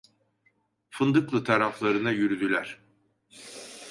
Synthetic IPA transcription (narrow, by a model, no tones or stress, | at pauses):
fɯnd̪ɯklˠɯt̪ʰaɾaflˠaɾɯnɯjyɾyd̪ylʲæɾ̥